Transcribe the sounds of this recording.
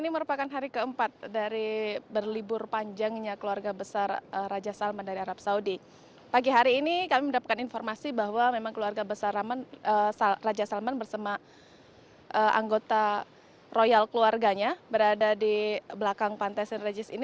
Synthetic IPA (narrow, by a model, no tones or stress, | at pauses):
iniməɾupakanɦaɾikəəmpat̪̚daɾibərlibʊrpaɲd͡ʒaŋɲakəluarɡabəsarəːad͡ʒasalmandaɾiaɾap̚saudi | paɡiɦaɾiːnikamimədapat̪̚kaninformasibaɦwamemaŋkəluarɡabəsaramanəsarad͡ʒasalmanbərsama | ʔəʔa̰ŋɡot̪a | rojalkəluarɡaɲabəɾadadibəlakaŋpant̪ajsɛnred͡ʒɪsin